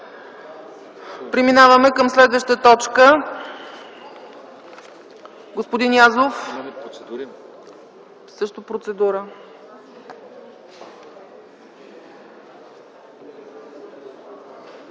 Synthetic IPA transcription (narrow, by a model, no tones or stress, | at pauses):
pɾiminavəmɛkəmslɛd̪vəʃt̪ət̪ɔt͡ʃkə | ɡospod̪injazof | sɤʃt̪opɾot̪sɛd̪uɾə